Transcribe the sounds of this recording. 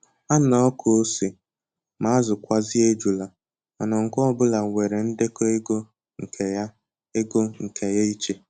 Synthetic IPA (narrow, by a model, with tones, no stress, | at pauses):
a˦nɔ˦ɔ˦kʰo˨o˦si˨ | ma˨˦zʊ˨kʷa˦zɪ˦e˦d͡ʒu˨la˨ | a˨nɔ˨ŋ̩˨kʊ˦ɔ˦bʊ˦la˨ŋʷe˨ɾe˨n̩˦de˦ko˦e˦ɡo˦ | ŋ̩˨kʰe˨ja˦ | e˦ɡo˦ŋ̩˨kʰe˨ja˦i˦t͡ʃe˦